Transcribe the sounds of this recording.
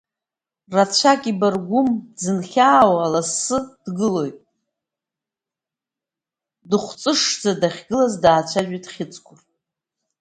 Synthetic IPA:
rat͡ɕʷʰakʲʼibarɡʷʊmdzɨnχʲaːwalasːɨd̥ɡɨlo̞jtʼ | dɨχʷt͡sʼɨʂd͡zadaχʲɡɨlazdaːt͡ɕʷʰaʒᶣitʼχʲɪt͡sʼkʷʰʊr

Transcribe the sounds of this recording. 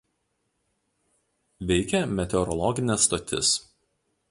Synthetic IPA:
ʋʲɛɪkʲɛmʲɛt̪ʲɛɔɾɔlˠɔɡʲɪnʲɛsːt̪ot̪ʲɪ̰s

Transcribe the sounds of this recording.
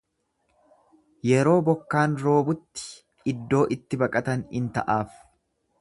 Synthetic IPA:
jɛɾo̞ːbɔkːaːnɾo̞ːbʊt̪ːɪ̥ | ɪd̪ːo̞ːʔɪt̪ːɪbɐkʼɐt̪ɐnɪnt̪ɐ̰ʔaːf

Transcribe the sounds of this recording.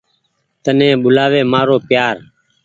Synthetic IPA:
t̪ənẽːɓʊlaːʋeːmaːɾoːpjaːɾ

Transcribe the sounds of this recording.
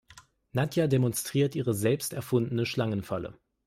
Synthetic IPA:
natʰjademɔnstʁ̥iːɐtʔiːʁ̞əzɛlpstɛɐfʊndn̩əʃlaŋənfalə̰

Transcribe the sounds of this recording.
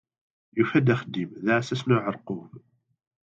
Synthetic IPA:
jufæd̪æχəd̪imðʕsæsnʊʕəɾqʊm

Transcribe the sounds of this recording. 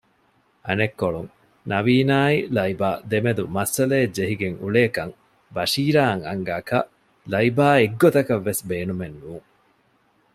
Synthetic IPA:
ɐnekːoɭuŋ | nɐʋiːnaːilɐibaːd̪emed̪umɐsɐleːd͡ʒeɦiɡeŋṵɭeːkɐŋ | bɐʃiːɾaːŋɐŋɡaːkɐ | lɐibaːeɡːot̪ɐkɐʋːesbeːnumenːuːŋ

